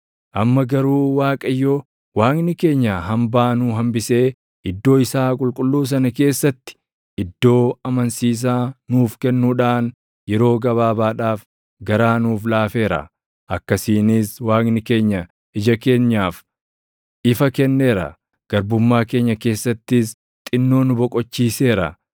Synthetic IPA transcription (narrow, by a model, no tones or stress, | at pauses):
ʔɐmːɐɡɐɾuːwaːkʼɐjːɔ | waːknɪke̞ːɲːaɦɐmbaːnuːɦɐmbɪse̞ː | ʔɪd̪ːo̞ːɪsaːkʼʊlkʼʊlːuːs̬ɐnɐke̞ːsːɐt̪ːɪ̥ | ɪd̪ːo̞ːɐmɐnsiːs̬aːnuːfkɛnːuːᶑaːn | jɛɾo̞ːɡɐβaːbaːᶑaːf | ɡɐɾaːnuːflaːfe̞ːɾɐ̰ | ʔɐkːɐsiːnɪswaːkɡnɪke̞ːɲːɐ | ɪd͡ʒɐke̞ːɲːaːf | ɪfɐkɛnːe̞ːɾɐ̰ | ɡ̥ɐɾbʊmːaːke̞ːɲːɐke̞ːsːɐt̪ːɪs | t̪ʼɪnːo̞ːnʊbɔkʼɔt͡ʃːiːse̞ːɾɐ̰